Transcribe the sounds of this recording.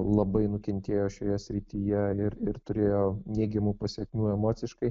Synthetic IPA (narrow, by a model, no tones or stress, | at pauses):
lˠɐbɐɪnʊkʲɛnʲt̪ʲeːjoːʃʲoːjɛsʲɾʲɪt̪ʲijɛɪɾɪɾt̪ʊɾʲeːjoːnʲeːɡʲɛmuːpɐsʲiɛkmʲuːɛmoːt̪sʲɪʃkɐɪ